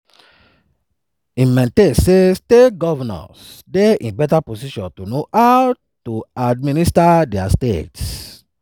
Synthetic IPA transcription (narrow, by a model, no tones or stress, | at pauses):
imɛ̃ntẽnsestetɡɔvanɔ̰sdeḭ̃nbɛtaposiʃɔ̃ntonoaw | tuadministadɛastets